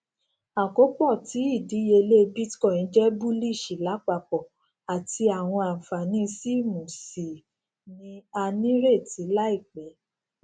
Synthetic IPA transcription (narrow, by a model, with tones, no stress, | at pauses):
a˨ko˨˦k͡pɔ˦˨ti˨˦i˦˨di˨˦je˧le˦˧bi˦tkɔ̃˦˨nĩ˨˦d͡ʒɛ˦bu˦li˦˨ʃi˨la˨˦k͡pa˧˨k͡pɔ˨ | a˨ti˧a˨w̃ɔ̃˧a˨fa˨nĩ˦˧si˦˨mũ˨si˨ | nĩ˨˦a˧nĩ˦ɾe˦˨ti˨˦la˦i˦˨k͡pɛ˨˦